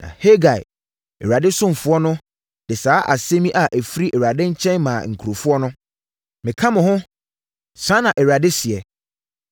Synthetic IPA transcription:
nã̰˨he˦ɡa˨ɪ̰˨ | ɛ̰˨ɥa˨dɪ˦sʊ̃˦m˨fʊ˦ɔ˦nʊ̃˦ | d̥ɪ˨saː˨˦ʔa̰˨se˦mĩ˦ʔa˨ʔæ˨fi˦ɾi˦ʔɛ˨ɥa˨dɪ̃˦ɲ̩˦t͡ɕʰɛ̃˦nmã̰ː˨ŋ̩˨kʰu˨ɾo˨fʊ˦ɔ˦nʊ̃˦ | mɪ̃˨kʰã˦mʊ̃˨hʊ̃˦ | sã˦nã˨ʔɛ˨ɥa˨dɪ˦sɪ˨ɛ˨

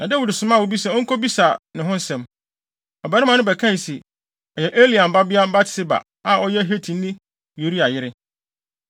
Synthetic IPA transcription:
nã˨dɛ˦wu˨dɪ˨sʊ˨mã˦˨wo˨bi˦s̬ɛ˨ɔ̃˦ŋ̩˦kʰo˦bi˦sa˨nɪ̃˨ɦʊ̃˦n̩˦sɛ̃˨m | ɔ˨bæ˨˦ɾɪ˦mã˨nʊ̃˦bɛ˨kʰã˦˨si˨ | ɔ˨jɛ˨ʔe˦li˨a˨m̩˨ba˦bɪ˦a˦ba˦tʰɪ̥˦sɪ˦ba̰˨ | a˨ʔɔ˦jɛ˦ɦe˦tʰĩ˨n̩˦nɪ̃˦ | ju˨ɾi˦a˨jɪ˦ɾɪ˦

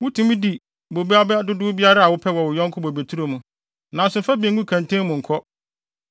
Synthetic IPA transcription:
wʊ˦tʰũ˨mĩ˦di˨ | bo˨bi˦a˦bɛ˦a˦dʊ˦dʊ˦bi˦a˦ɾa˦a˨wʊ˦pʰɛ˦wɔ˨wʊ˨jɔ̃˦ŋkʰʊ˦bo˨be˨tʰu˦ɾo˨mũ˨ | nã˨n˨sʊ̃˨fa˦bĩ˨ŋɡũ˦kʰã˨n˨tʰẽ˦mʊ̃˨ŋ̩˨kʰɔ˦

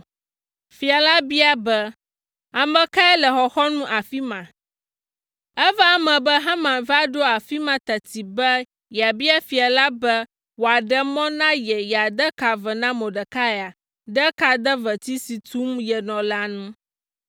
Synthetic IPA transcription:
fi˨a˨la˦bi˦a˦bɛ˦ | a˨mɛ̃˨ka˦ɛ˦lɛ˨xɔ˨xɔ˦nũ˦ʔa˨fi˦mã˨ | ɛ˦va˦mɛ̃˨bɛ˦ɦa˦mã˨va˦ɖo˦a˨fi˦mã˨t̪a˨t̪i˨bɛ˦ | ja˨bi˦a˦fi˨a˨la˦bɛ˦ | wo˨a˨ɖɛ˨mɔ̃˦nã˦jɛ˨ja˨d̪ə˦ka˨və˨nã˦mɔ̃˨ɖə˨ka˦ɛ˨a˨ | ɖɛ˦ka˨d̪ə˦və˨t̪i˦si˨t̪u˦mjɛ˨nɔ̃˨la˦nũ˦

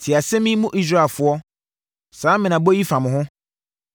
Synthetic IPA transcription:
tʰɪ˨a˨sɛ̃˦mĩ˦mũ˦ʔi˦s̬ɾa˦˨fʊ˦ɔ˦ | sãː˦mɪ̃˨nã˨bo˦ji˦fã˨mɪ̃˨hʊ̃˦

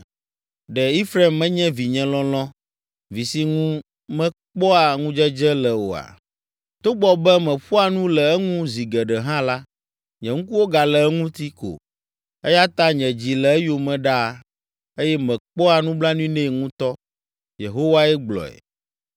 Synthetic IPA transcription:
ɖɛ˨i˦fɾe˦˨mːɛ̃˦ɲɛ̃˦vi˨ɲɛ̃˨lɔ̃˦lɔ̃˦ | vi˨si˦ŋũ˦ | mɛ̃˦k͡pɔ˦a˨ŋũ˦d͡ʒɛ˦d͡ʒɛ˦lɛ˨wo̰˨a̰˨ | t̪o˦ɡ͡bɔ˨bɛ˦mɛ̃˨ɸu˦a˨nũ˦lɛ˨ɛ˦ŋũ˦zi˨ɡɛ˨ɖɛ˨ɦã˦la˦ | ɲɛ̃˨ŋũ˦ku˦wo˦ɡa˨lɛ˨ɛ˦ŋũ˦t̪i˦ko̰˨ | ɛ˦ja˦t̪a˦ɲɛ̃˨d͡ʑi˨lɛ˨ɛ˦jo˨mɛ̃˦ɖa˦˨ | e˦jɛ˦mɛ̃˨k͡pɔ˦a˨nũ˦bla˦nũ˦i˦nɛ̃˦˨ŋũ˦t̪ɔ˦ | je˨ɦo˦wa˦ɛ˦ɡ͡blɔ̰˨ɛ̰˨

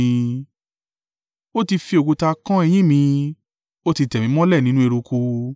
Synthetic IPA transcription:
ĩ˧ | o˦ti˧fi˧o˨ɡu˧ta˧kã˦ɛ˧j̃ĩ˦mĩ˧ | o˦ti˧tɛ˨mĩ˨˦mɔ̃˦lɛ˦˨nĩ˦nũ˦e˧ɾu˧ku˧

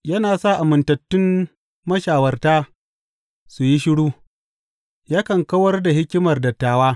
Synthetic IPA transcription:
jɐ˦naː˨sa˦˨ʔa˨mʊ˨ntɐ˨tːʊ˦m | mɐ˦ʃaː˨wɐ˦rtaː˦ | su˨ji˦ʃɪ˦ɽuː˦ | jaː˦kɐ˨ŋkɐ˦wɐ˦rda˨hɪ˦kʲɪ˦mɐ˨rdɐ˨tːaː˨waː˦

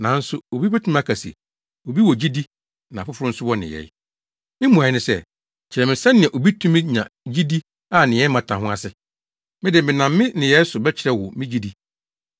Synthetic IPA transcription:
nã˨˦n̩˦sʊ˦o˨bi˦pæ˦tʰũ˦m˦a˦˨kʰa˨sḭ˨ | o˨bi˦wɔ˨d͡ʑi˦di˦ | nã˨fʊ˦fʊ˦ɾʊ̃˦n̩˦sʊ˦wɔ˦nɪ̰̃˨jɛ̰˨˦ | mɪ̃˦mũ˨a˨ɪ˦nɪ̃˨sɛ̰˦ | t͡ɕʰɪ˨ɾɛ˨mɪ̃˨sã˦nɪ̃˨ɛ˨ʔo˨bi˦tʰũ˦mɪ̃˦ɲã̰˨d͡ʑi˦di˦ | a˦˨nɪ̃˨jɛ˦mã˨tʰã˨ɦʊ̃˦a˦˨sɪ˦ | mɪ̃˦dɪ˨mɪ̃˨nã˨mːɪ̃˦nɪ̃˨jɛ˨˦sʊ˨bɛ˦t͡ɕʰɪ˨ɾɛ˨wʊ˨mɪ̃˦d͡ʑi˦di˦

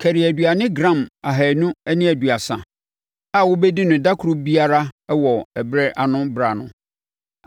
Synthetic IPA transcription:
kʰæ˨ɾi˨æ˨dɥa˨nɪ̃˦ɡɾã˦˨ma˨ɦæ˨nũ˦ɛ˦nɪ̃˦æ˨dɥa˨sã˨ | a˦wʊ˦bɛ˦di˦nʊ̃˨da˦kʰʊ˨ɾʊ˦bi˦a˦ɾa˦ɛ˦wɔ˨æ˨bɾɛ˦ʔa˨nʊ̃˦bɾa˨nʊ̰̃˨˦

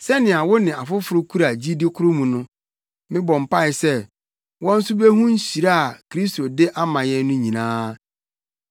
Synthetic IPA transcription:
sɛ˦nɪ̃˨a˨wʊ˦nɪ̃˨a˨fʊ˦fʊ˨ɾʊ˦kʰu˦ɾa˨d͡ʑi˦di˦kʰʊ˦ɾʊ˦mũ˨nʊ̃˦ | mɪ̃˦bɔ̃˨m̩˨pa˦ɪ˨sɛ˦ | wɔ̃˦n̩˦sʊ˦be˦ɦũ˦n̩˦ɕi˨ɾa˦a˨kʰɾi˦sto˨dɪ˦ʔa˦mã˨jɛ˦n˦nʊ̃˦ɲĩ˨nãː˦

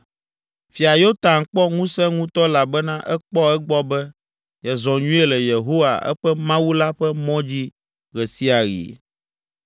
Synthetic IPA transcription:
fi˨a˨jo˦t̪ã˨ŋ˨k͡pɔ˦ŋũ˦sɛ̃˦ŋũ˦t̪ɔ˦la˨bɛ˦nã˦ʔɛ˦k͡pɔ˦ɛ˦ɡ͡bɔ˦bɛ˦ | jɛ˨zɔ̃˨ɲũ˦e˦lɛ˨je˨ɦo˦wa̰˨ɛ̰˦ɸɛ˦mã˦wu˦la˦ɸɛ˦mɔ̃˦d͡ʑi˦ | ɣɛ˨si˦a˨ɣḭ˨

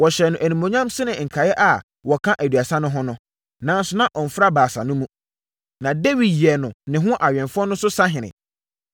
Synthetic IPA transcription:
wɔ˨ɕɛ˨nʊ̃˨ʔæ˨nĩ˨mõ˨ɲã˦msɪ˦nɪ̃˨ŋ̩˨kʰa˨jɛ˦ʔa˨ | wɔ˨kʰã˦ʔæ˨dɥa˨sã˦nʊ̃˦ɦʊ̃˦nʊ̃˦ | nã˨˦n˦sʊ˦nã˦ʔɔ˨n̩˨fɾa˦baː˨sa̰˨nʊ̃˦mũ˦ | nã˨de˦wi˨dji˨ɛ˨nʊ̃˨nɪ̃˨ɦʊ̃˦ʔa˨ɥɛ̃˨nfʊ˦ɔ˦nʊ̃˦sʊ˦sa˦ɦɪ̃˨nɪ̰̃˨

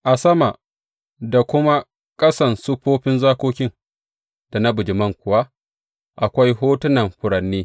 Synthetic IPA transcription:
ʔa˨sɐ˦ma˨ | da˨kʷʊ˦ma˦ | kʼɐ˦sɐ˨nsu˦ɸoː˦ɸɪ˦nzaː˦kʷoː˦kʲɪ˦n | d̥a˨nɐ˦bʊ˨d͡ʒɪ˨mɐ˦ŋkʷʊ˨wa˦ | ʔa˨kʷa˦jɦoː˦tʊ˦nɐ˨mɸʊ˨ɽɐ˨nːiː˦

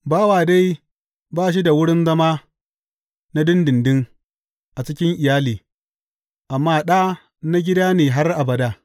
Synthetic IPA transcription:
baː˦waː˨da˦j | baː˦ʃ̬i˦da˨wʊ˦ɽɪ˦nzɐ˦maː˦ | na˦dɪ˦ndɪ˨ndɪ˦ŋ | ʔa˨t͡ʃɪ˦kʲɪ˦ŋʔɪ˨jaː˦liː˨ | ʔa˨mːaː˦ɗa˦ | na˦ɡʲɪ˦daː˦neː˨ɦa˦rʔa˨bɐ˨daː˦

